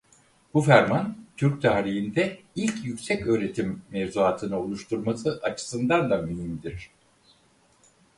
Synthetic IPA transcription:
bufæɾmant̪ʰyɾc̚t̪ʰaːɾijind̪ɛ | ilʲcjycʲsɛcø̞ːɾe̞t̪ʰimːevzuaːt̪ʰɯnɯolˠuʃt̪ʰuɾmasɯʔat͡ʃʰɯ̥sɯnd̪and̪amyɦimd̪iɾ̥

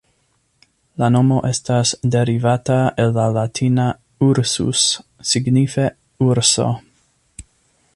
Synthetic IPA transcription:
lano̞mo̞ʔe̞stasde̞ɾivataelːalatʰina | uɾsṵsːiɡnife̞ | uɾso̞̰

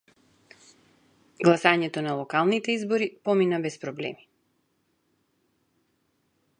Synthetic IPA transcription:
ɡlˠasaɲɛt̪ɔnalˠɔkalˠnit̪ɛizbɔɾipɔminabɛspɾɔblɛ̰mi̥

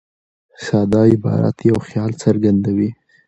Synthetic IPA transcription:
sɑd̪ɑɪbɑ̰ɾa̰t̪jawxjɑlsaɾɡand̪awi

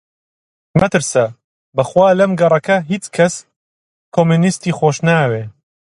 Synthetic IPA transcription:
mɐt̪ɨɾsɐ | bɐxwaːlɐmɡɐrˤɐkɐɦiːt͡ʃkʰɐs | kʰoːmunist̪iːxoːʃnaːweː

